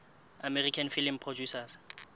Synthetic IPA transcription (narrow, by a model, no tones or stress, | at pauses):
amɛrikʰanfilimpʰrɔd͡ʒusas